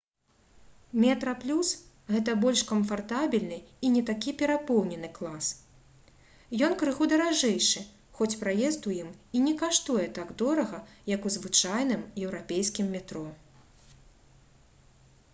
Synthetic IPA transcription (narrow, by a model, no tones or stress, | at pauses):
mʲɛt̪ɾɐplʲus | ɣɛt̪ɐbɔlʲʂkɐmfart̪abʲilʲnɨinʲɛt̪akʲipʲɛɾapɔwnʲɛnɨklˠas | jɔnkɾɨɣud̪ɐɾaʐɛjʂɨ | xɔt͡sʲpɾajɛst̪ujiminʲɛkaʂt̪ujɛt̪aɡd̪ɔɾɐɣɐjɐkuzvɨt͡ʂajn̪ɨmjɛwɾapʲejskʲimːʲɛt̪ɾɔ